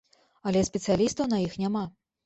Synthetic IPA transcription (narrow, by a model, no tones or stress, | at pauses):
ɐlʲɛsʲpʲɛt̪sɨjalʲist̪ɐwnɐjixnʲama